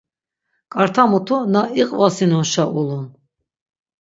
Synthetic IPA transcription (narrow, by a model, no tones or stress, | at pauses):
kʼaɾt̪ʰamut̪ʰunaiqʼvasinɔnʃaʔulun